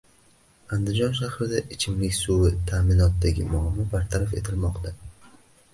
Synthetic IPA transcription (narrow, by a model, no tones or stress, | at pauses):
and̪ɪd͡ʒɒnʃahɾɪd̪aʔɪt͡ʃʰɪmlɪkʲsuɪt̪ʰaːmɪnɒt̪̚d̪aɡʲɪmʊamɒbaɾt̪ʰaɾafe̞̰t̪ʰɪlmɒqt̪a